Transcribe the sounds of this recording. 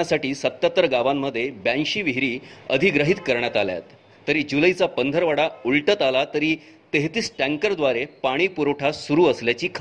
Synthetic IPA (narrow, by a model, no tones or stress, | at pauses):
asaʈiːsət̪ːjat̪ɾəɡaʋamːəd̪ʱːjebæ̃nɕiːʋiɦɾiːəd̪ʱiɡɾəɦit̪kəɾɳjat̪alja̰t̪ː | əɾiːd͡ʑuləjt͡sapənd̪ʱəɾʋaɽauɭʈət̪alat̪əɾiː | t̪eɦt̪iːsʈæ̃ŋkəɾd̪ʋaɾepaɽ̃iːpuɾoʈʰasuɾuːəsljat͡ɕiːkʰ